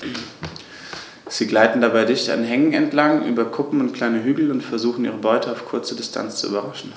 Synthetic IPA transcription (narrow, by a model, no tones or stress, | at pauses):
z̥iːɡlaɪtn̩dabaɪdɪçta̰nɦɛŋŋɛ̰ntlaŋʔy̰ːbɐkʰʊpm̩ʊntkʰl̥aɪnəɦyːɡl̩ʊntfɛɐzuːxn̩ʔḭːʁəbɔʏtʰəaʊfkʰʊɐt͡sədɪstʰa̰nt͡st͡sṵy̰bɐʁaʃn̩